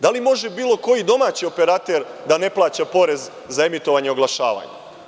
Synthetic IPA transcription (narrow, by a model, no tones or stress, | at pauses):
d̪alimo̞ʒebiːlˠo̞ko̞jid̪o̞maːt͡ɕio̞pe̞ɾat̪eɾd̪ane̞plˠaːt͡ɕapo̞ɾe̞z | zae̞mit̪o̞ʋaɲeoɡlˠaʃa̰ːʋa̰ɲḛ